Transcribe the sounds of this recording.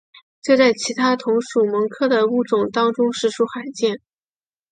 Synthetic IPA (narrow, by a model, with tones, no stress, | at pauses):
t͡ɕɤ˥˧t͡sa˥˩ɪt͡ɕʰi˧˥t̪ʰa˥t̪ʰʊ˧˥ŋʂu˨˩mɤ˧˥ŋkʰɤ˥˩d̪ə˩u˥˩ʈ͡ʂʊ˨˩ŋt̪ɑ˥ŋʈ͡ʂʊ˥ŋʂɻ̩˥˩ʈ͡ʂʰu˥xa˨˩ɪt͡ɕjɛ˥˩n